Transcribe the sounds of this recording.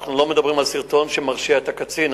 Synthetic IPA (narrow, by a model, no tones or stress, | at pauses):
χnulomed̪abʁimalsiʁt̪onʃemaʁʃiaet̪akat͡sin